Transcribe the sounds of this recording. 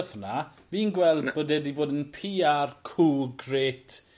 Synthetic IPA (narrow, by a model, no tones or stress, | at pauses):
fna | viːnɡwɛlˠdboːdɛdiboːdənpʰiːarkʰuːɡreːtʰ